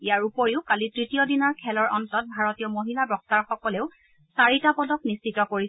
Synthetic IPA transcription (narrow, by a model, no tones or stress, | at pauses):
ijaɹupoɹiʊkalitɹitijɔdinɔɹkʰɛlɔɹʔɔntɔt̚bʱaɹɔtijɔmoɦilabɹɔk̚taɹxɔkɔleʊ | saɹitapɔdɔknist͡ʃitɔkoɹi